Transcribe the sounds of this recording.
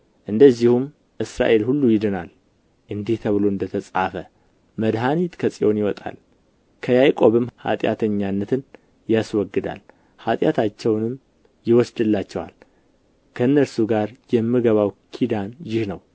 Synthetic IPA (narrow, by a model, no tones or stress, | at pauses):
ʔɨnd̪əzːihum | ʔɨsɾa̰ʔe̞lhulːujɪd̪ənal | ʔɨnd̪iht̪ʰəβɨlo̞ɨnd̪ət̪ʰəsʼafə | məd̪ɦanit̪kʰəsʼio̞njɪwɔt̪ʼa̰l | kʰəjajkʼo̞βɨmha̰t̪ʼja̰t̪ʰəɲːanːət̪ʰɨn | jaswɔɡːɨd̪a̰l | hat̪ʼjat̪ʰat͡ʃːɛwnɨm | jɪwɔsd̪ɨlːat͡ʃːɛwa̰l | kʰəɨnːəɾsuɡaɾjɛmːɨɡəβawkʰid̪anjɪhnəw